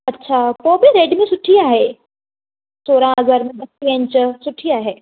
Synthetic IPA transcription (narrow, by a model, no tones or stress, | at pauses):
ɐtːɕʰaːpoːbɪɾeːɖmẽsʊʈʰiaːɦeː | soːɾãəzəɾmẽɓɐsiə̃nt͡ɕʊsʊʈʰiaːɦeː